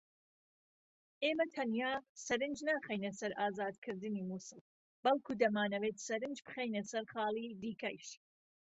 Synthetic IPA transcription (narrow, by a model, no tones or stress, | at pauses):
ʔeːmɐt̪ʰɐnjaːsɐɾɨnd͡ʒnaːχejnɐsɐɾʔaːzaːd̪kʰɨɾd̪ɨniːmuːsɨlˠ | bɐlˠkʰuːd̪ɐmaːnɐweːt̪sɐɾɨnd͡ʒbɨ̥χejnɐsɐɾχɑːlˠiːd̪iːkɐjʃ